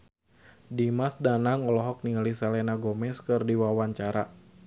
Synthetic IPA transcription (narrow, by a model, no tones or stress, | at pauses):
dimasdanaŋɔlɔɦɔk̚niŋlisɛlɛnaɡɔmɛskɨrdiwawaɲt͡ʃaɾa